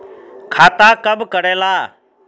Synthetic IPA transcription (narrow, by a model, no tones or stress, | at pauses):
kʰaːt̪aːkəbʱkəɽeːlaː